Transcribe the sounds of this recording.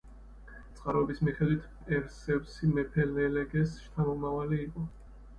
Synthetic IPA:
t̪sʼqʼaɾɔɛbismiχɛd̪wit̪ʰpʼɛɾsɛvsimɛpʰɛlɛlɛɡɛsʃt̪ʰamɔmavaliːqʼɔ

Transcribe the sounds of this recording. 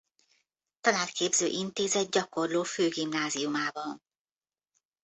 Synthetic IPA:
t̪ɒnaːt̪kʰeːbzø̰ːʔint̪eːzɛd̪̚ɟɒko̞rloːføːɡimnaːziumaːbɒn

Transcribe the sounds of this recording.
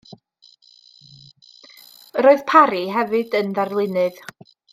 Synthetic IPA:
ɾoːɨð̥pʰaɾiɦɛvɨdənðarvlˠɨnɨð̥

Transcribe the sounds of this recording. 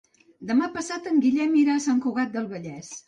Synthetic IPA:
d̪əmapəsat̪əŋɡiʎɛmiɾasaŋkuɣat̪̚d̪əlˠβəʎɛs

